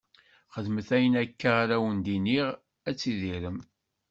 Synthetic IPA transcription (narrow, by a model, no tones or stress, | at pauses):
χəðməθæjənækːaʁaɾæwənd̪iniʁ | æt͡sːiðiɾəm